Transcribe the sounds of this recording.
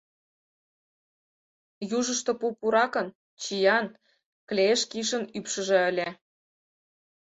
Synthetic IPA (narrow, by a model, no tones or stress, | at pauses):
juʒəʃt̪ŏpupuɾɑkə̆n | t͡ɕijɑn | klʲeʃkiʃ̬ə̆nypʃə̆ʒĕə̆lʲe